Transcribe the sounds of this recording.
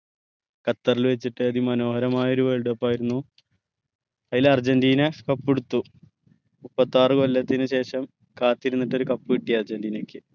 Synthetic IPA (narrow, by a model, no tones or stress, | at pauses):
kɐt̪ːɐrilʋe̞t͡ɕːiʈːɨɐðimɐno̞ːhɐɾɐmaːjɐo̞ɾuʋeɭɖɐpːaːjiɾunːu | ɐjilɐrd͡ʑɐndiːnɐkɐpːeɽut̪ːu | mupːɐt̪ːaːrɨko̞lːɐt̪ːinɨɕe̞ːʂɐm | kaːt̪ːiɾunːiʈːo̞ɾukɐpːɨʋiʈːijɐrd͡ʑɐndiːnɐkʲːɨ